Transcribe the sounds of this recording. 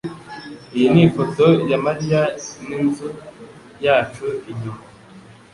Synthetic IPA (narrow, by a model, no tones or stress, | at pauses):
ijinifotojamaɾijaninzu | jaːt͡ʃuiɟum